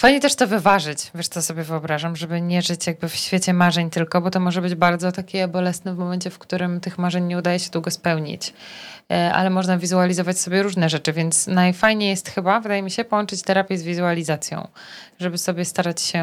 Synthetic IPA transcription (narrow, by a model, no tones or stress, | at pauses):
fajɲɛt̪ɛʂt̪ɔvɘvaʐɘt͡ɕvʲjɛʂt̪sɔsɔbʲjɛvɘɔbɾaʐamʐɛbɘɲɛʐɘt͡ɕjaɡ̚bɘfɕfʲjet͡ɕɛmaʐɛɲt̪ɘlkɔbɔt̪ɔmɔʐɛbɘd͡ʑbaɾd̪zɔt̪akʲɛbɔlɛsnɛvmɔmɛɲt͡ɕɛfkt̪uɾɘmt̪ɘxmaʐɛɲɲɛud̪ajɛɕɛd̪wuɡɔspɛwɲḭt͡ɕ | ʔa̰lɛmɔʐnavʲizualʲizɔvat͡ɕsɔbʲjɛɾuʐnɛʐɛt͡ʂɘvʲjɛnt̪snajfajɲɛjɛst̪xɘbavɘd̪ajɛmʲiɕɛpɔwɔnt͡ʂɘt͡ɕt̪ɛɾapʲjɛzvʲizualʲizat̪sʲjɔ̰̃w̃ʐɛbɘsɔbʲjɛst̪aɾat͡ɕɕɛ